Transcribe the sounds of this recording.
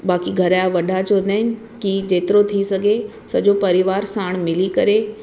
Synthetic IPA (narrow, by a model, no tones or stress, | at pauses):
baːkiɡʱɐɾajaʋɐɗʱat͡ɕond̪aːɦɪnɪ̆ | kid͡ʑeːt̪ɪɾot̪ʰisɐɡʱe | sɐd͡ʑopɐɾɪʋaːɾsaːɽ̃mɪlikɐɾe